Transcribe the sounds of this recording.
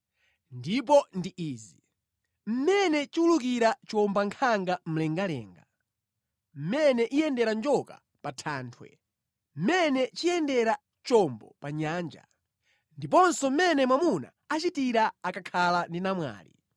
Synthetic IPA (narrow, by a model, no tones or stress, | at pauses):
ndip̬ɔndiʔiːzi | m̩mɛnɛt͡ʃiuluk̬iɾat͡ʃɔmbaŋkʰaŋɡam̩lɛŋɡalɛ̰ːŋɡa | m̩mɛnɛʔijɛndɛɾand͡ʒɔka̰ | patʰaːntʰwɛ̰ | m̩mɛnɛt͡ʃijɛndɛɾa | t͡ʃɔmbɔ̰paɲaːnd͡ʒa̰ | ndip̬ɔnsɔm̩mɛnɛmwamuna̰ | at͡ʃitiɾaakakʰalandinamwa̰ːlḭ